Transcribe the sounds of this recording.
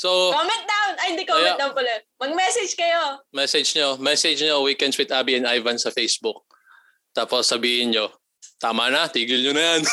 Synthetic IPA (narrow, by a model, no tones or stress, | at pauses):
sokomɛ̃nt̪̚d̪awnɐjnd̪ikojmɛ̃d̪awnkolɛnmɐɡ̚mɛsɛd͡ʒkɐjomɛsɛd͡ʒɲomɛsɛd͡ʒɲowiːkɛnd̪swɪd̪ʔaːbiɛnʔajvɐnsɐfejsbʊk̚ | t̪aːposːɐbiːhɪnɲo | t̪aːmɐnɐt̪iːɡɪlɲonɐjan